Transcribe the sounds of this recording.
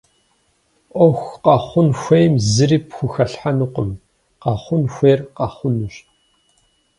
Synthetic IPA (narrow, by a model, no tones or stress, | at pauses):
ʔʷɔxʷqɐχʷʊnxʷejmzɨriːpxʷʊxɐɬħanuqʊm | qɑχʷʊnxʷeːrqɑχʷʊnuɕ